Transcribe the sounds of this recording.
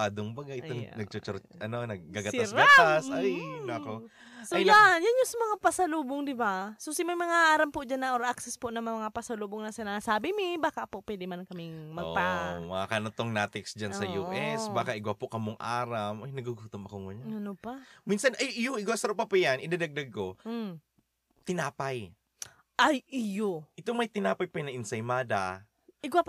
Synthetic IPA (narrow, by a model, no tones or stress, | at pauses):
ad̪oŋbaɡaʔɪoŋnɐɡ̚t͡ʃot͡ʃoɾ | ɐnonɐɡɡaɡɐt̪asɾɡat̪asajnko | soajanjanjʊŋsɐmɐŋapɐsɐluːboŋd̪ɪbasosɪmɐjmɐŋaʔaːɾɐmpoʔd͡ʒanːɐʔoɾʔak̚sɛsponɐmɐŋapɐsɐluːboŋnɐsɪnasaːbɪmɪbaːkapopwɛːd̪ɪmankɐmɪŋmɐɡpamɐakɐnot̪oŋnaːt̪ɪksd͡ʒansɐjuːʔɛsbaːkaʔɪɡwapokɐmoŋʔa̰ːɾamʔojnɐɡuɡut̪omɐkoŋʊɲɐnopɐminsɐnʔajɪjoɪɡwasɐɾopɐpʊjanʔɪd̪ad̪aɡ̚d̪aɡ̚ko | t̪ɪnaːpaj | ʔajʔɪjoʔɪt̪omɐjt̪ɪnaːpaɐjpɐnɐʔɪnsɐjmaːd̪a | ʔɪɡwap